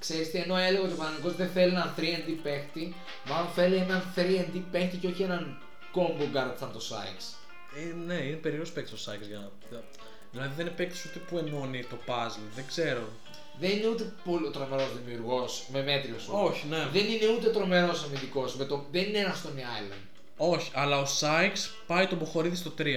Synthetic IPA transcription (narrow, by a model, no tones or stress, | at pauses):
kse̞ɾist̪ieno̞e̞leɣɐot̪opɐnɐniko̞zðenθe̞lienɐnθɾiend̪ipe̞xt̪i | mɐlonθe̞lienɐnθɾiend̪ipe̞xt̪iceoçienɐn | ko̞mboɡɐɾt̪isɐnt̪o̞sɐ̰iks | eneinepe̞ɾiospekt̪i̥st̪osɐiksʝɐnɐ | ðilɐðiðenepeksi̥sut̪epue̞monit̪o̞pɐzlðeɡze̞ɾo̞ | ðenineut̪epolot̪ɾo̞me̞ɾo̞zðimiuɾɣo̞sme̞me̞t̪ɾiosooçineðe̞nine̞ut̪eot̪ɾo̞me̞ɾo̞sɐmind̪iko̞smet̪oðenineenɐst̪oniajlɐ̰nd̪̥ | o̞çiʔɐlɐosɐjks | pɐit̪oboxo̞ɾiðist̪o̞t̪ɾiɐ